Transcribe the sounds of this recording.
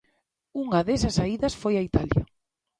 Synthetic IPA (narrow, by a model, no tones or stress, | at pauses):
uŋɐðesɐsaiðɐsfojɐit̪aljɐ̰